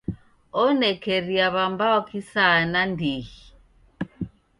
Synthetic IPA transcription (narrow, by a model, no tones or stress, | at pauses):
ɔnɛkɛɾiaβambaɔkisanandiɣi